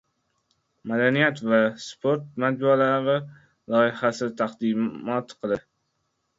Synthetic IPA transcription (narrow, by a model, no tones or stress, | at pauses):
mad̪anijat̪vaspʰoɾt̪̚mat̪̚bualavɪ | lɒɪhasɪt̪ʰaqd̪ɪmmɒt̪qʰɨlˠɪ